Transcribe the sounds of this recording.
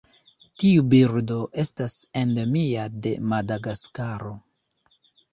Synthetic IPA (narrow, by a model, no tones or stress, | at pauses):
tiubiɾdo̞ʔe̞stase̞ndemiade̞madaɡaskaɾo̞